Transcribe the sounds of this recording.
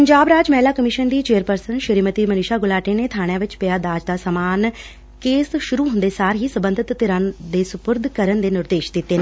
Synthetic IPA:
pəɲd͡ʒaːbɾaːd͡ʒmɛːlaːkəmɪʃənd̪iːt͡ʃeːəɾpəɾsənʃəɾiːmət̪iːmənɪʃaːɡʊlaːʈeːneːt̪ʰaːɽ̃jãːʋɪt͡ʃpɪjaːd̪aːd͡ʒd̪aːsəmaːn | keːsʃʊɾuːɦʊ̃nd̪eːsaːɾɦiːsəbənd̪ʱɪt̪ːɪɾãːnd̪eːsʊpʊɾd̪ʱkəɾənd̪eːnɪɾd̪eːʃd̪ɪt̪ːeːnː

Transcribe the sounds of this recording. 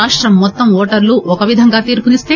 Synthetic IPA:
aːʂʈɾɐmːɔt̪ːɐmɔːʈɐɾluʔɔkɐʋid̪ʱɐŋɡaːt̪iːɾpunist̪eː

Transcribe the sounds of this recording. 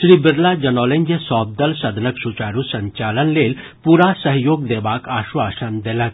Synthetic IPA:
ʃɾibɪɾlad͡ʒɐnɔːleŋɡjəsɔːb̚d̪əlsɐd̪ʱnəksut͡ʃaːɾusɐɲt͡ʃaːlənleːl | puɾasəɦjoːɡ̚d̪eːbaːkaːʃʋaːsənd̪elɐk̪̚

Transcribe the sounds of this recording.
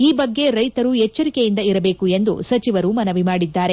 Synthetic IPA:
iːbɐɡːe̞ɾɐjt̪ɐɾuɦɛt͡ʃːɐɾikejind̪ɐiɾɐbe̞ːkue̞nd̪ṵsɐt͡ʃiʋɐɾumɐnɐʋimaːɽid̪ːaːɾe̞

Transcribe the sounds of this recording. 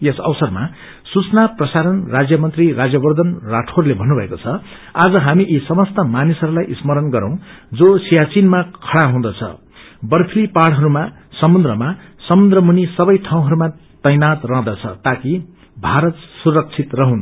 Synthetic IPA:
jesʌ̰wsʌrma̰ | sut͡snaprʌsaɾʌnrad͡zjʌmʌnt̪rirad͡zjʌbʌrd̪ʌnraʈʰorlebʱʌnːubʱʌekot͡sʰʌ | ad͡zʌɦamiʔisʌmʌst̪ʌmanisɦʌɾulajʔismʌɾʌnɡʌɾʌ̰̃w̃d͡zosijat͡sinmakʰʌɽaɦũd̪ʌt͡sʰʌ̰ | bʌrpʰilipaɽɦʌɾuma | sʌmund̪rʌma | sʌmund̪rʌmunisʌbʌjʈʰaw̃ɦʌɾuma | t̪ʌjnat̪rãd̪ʌt͡sʰʌ̰t̪aki | bʱaɾʌt̪surʌk̚t͡sʰit̪rʌɦũn

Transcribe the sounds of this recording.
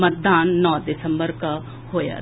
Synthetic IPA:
mət̪̚d̪aːnːɔ̃ːd̪ɪsəmbəɾka | hoːja̰

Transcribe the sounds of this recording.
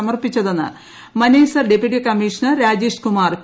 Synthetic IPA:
ɐmɐrpit͡ɕːɐðenːɨ̰ | mɐneːsɐrɖepjuʈikɐmiːʂɐnɐrɾaːd͡ʑiːʂkumaːr

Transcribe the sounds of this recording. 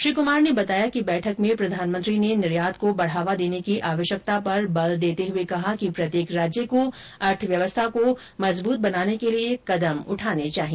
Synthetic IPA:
ʃɾiːkʊmaːɾnebɐt̪aːjakibɛːʈʰəkmẽpɾɐd̪ʱaːnmə̃nt̪ɾinenɪɾjaːd̪kobɐɽ̤aːʋad̪eːnekiʔaːʋəʃjək̚t̪apɐɾbɐld̪eːt̪eɦʊekɐɦakipɾɐt̪jeːkɾaːd͡ʒjəko | ɐɾʈ̪ʰʋjɐʋəst̪ʰako | mɐzbuːt̪̚bɐnaːnekeliekɐd̪əmʊ̰ʈʰaːnet͡ʃaːɦi

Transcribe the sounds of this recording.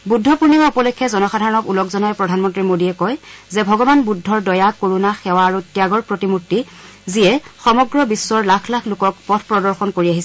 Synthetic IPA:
budʱːɔpuɹnimaupɔlɔkʰːɛzɔnɔxadʱaɹɔnɔkulɔkzɔnajpɹɔdʱanmɔntɹimodiɛkɔjzɛbʱɔɡɔbanbudʱːɔɹdɔjakoɹunaxɛwaːɹutjaɡɔɹpɹotimutːi | ziɛxɔmɔɡɹɔbisːɔɹlakʰlakʰlʊkɔkpɔtʰpɹɔdɔɹxɔnkoɹiaɦisɛ

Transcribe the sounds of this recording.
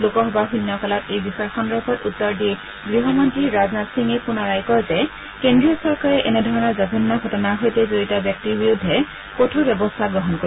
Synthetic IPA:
lokɔɦɔbaɦunːɔkalɔtejbixɔjɔxɔnɹɔbʰʱɔtutːɔɹdi | ɡɹiɦɔmɔntɹiɹaznatsiŋepʊnɔɹajkɔɹzɛ | kendɹiɔsɔɹkaɹɛʔɛnɛdʱɔɹɔnɔɹzabʱinːaɡʱɔtɔnaɦojtɛzoitabjɔk̚tibijudʱːɛ | kotʰobjɛbɔstʰaɡɹɔɦɔnko

